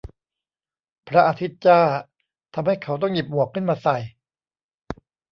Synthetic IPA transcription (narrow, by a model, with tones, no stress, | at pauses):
pʰɾa˦˥ʔa˧t̪ʰi˦˥t̪̚t͡ɕaː˥˩ | t̪ʰa˧mha˥˩jkʰa˦˥wt̪ɔ˥˩ŋji˨˩p̚ʔu˨˩əkʰːɯ˥˩nmaː˧sa˨˩j